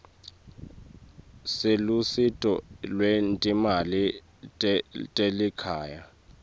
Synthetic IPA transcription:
selusitʼɔlwentʼimali | tʼelikʰaːja

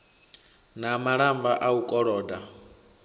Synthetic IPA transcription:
namaɺambaʔaukʼɔɺɔːda

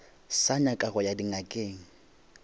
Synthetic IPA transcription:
saɲakʼaɣɔjadiŋakʼeːŋ̩

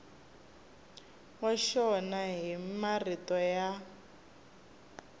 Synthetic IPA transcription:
waʃɔnaɦimaritɔja

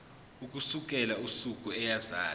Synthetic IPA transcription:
uk̬ʼusuk̬ʼɛlausuk̬ʼuɛjazaː

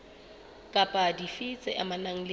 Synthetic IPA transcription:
kʼapʼadifit͡sʼɪʔamanaŋ̩l

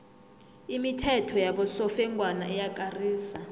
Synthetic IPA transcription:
imitʰɛtʰɔjaɓɔsɔfɛŋɡʱwanaɛjakʼariːsa

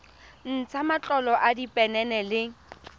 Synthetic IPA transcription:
n̩t͡sʰamat͡ɬʼɔlɔʔadipʼɛnɛnɛlɪ

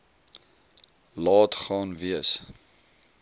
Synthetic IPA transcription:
lɑːtχɑːnviəs

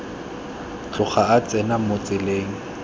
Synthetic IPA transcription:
t͡ɬʼʊχaat͡sʼɛnamʊt͡sʼɪleːŋ̩

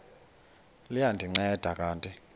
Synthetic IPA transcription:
lijandʱiŋ͡ǀɛd̥ʱakʼaːntʼi

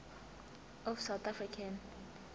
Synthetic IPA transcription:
ɔfsawt̪ʰafɾikʰãn

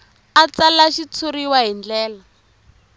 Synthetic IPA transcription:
at͡salaʃit͡sʰoriwaɦind͡ɮɛːla

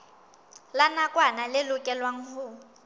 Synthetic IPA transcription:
lanakʼwanalɪlʊkʼɛlwaŋ̩hʊ

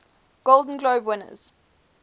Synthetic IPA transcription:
ɡ̥olˠdə̃n̩ɡloʊbwɪnə̰z̥

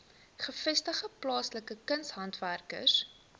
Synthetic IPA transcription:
χəfɛstəχəplɑːsləkəkənsɦɐntværkə̰s

